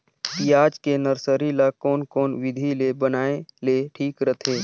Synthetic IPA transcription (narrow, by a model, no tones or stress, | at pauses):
piaːd͡ʒkenəɾsəɾilakɔːnkɔːnwɪd̪ʱilebənaːeleʈʰiːkɾət̪ʰeː